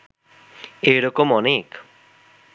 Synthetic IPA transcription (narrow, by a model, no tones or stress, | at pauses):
eɽɔkomɔnik